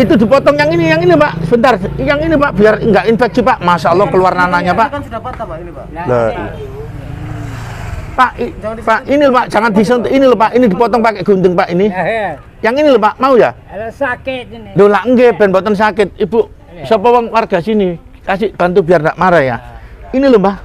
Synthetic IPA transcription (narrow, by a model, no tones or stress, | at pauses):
it̪ud̪i̤pɔt̪ɔŋjaŋinijaŋinipaʔsəbənt̪arjaŋinipaʔb̥iarŋɡaʔinfɛk̚sipaʔmasalɔhkəluarnanaɲapaʔ | lə̰ | paʔipaʔinilpaʔd͡ʒ̥aŋand̪̥is̬ənt̪inilɔpaʔinid̪i̤pɔt̪ɔŋpakeʔɡ̥unt̪əŋpaʔini | jaŋiniləpaʔmauja | dolaʔŋɡeb̥ɛ̤npɔt̪ɔns̬akɪt̪̚ibuʔ | səpɔwɔŋwarɡ̥a̤sini | kasiʔb̥ant̪̬ubiardaʔmaɾaja̰inilʊmpaʔ